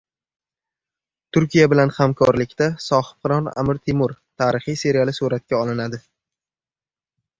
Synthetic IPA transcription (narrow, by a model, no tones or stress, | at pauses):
t̪ʰʊɾkʲijabɪlanhamkʰɒɾlɪkʲt̪asɒhɪ̥pqɨɾɒna̰mɪɾt̪ʰɪmʊɾt̪ʰaːɾɪχijse̞ɾialˠɪsuɾat̪̚kʲaɒlˠɪnad̪ɪ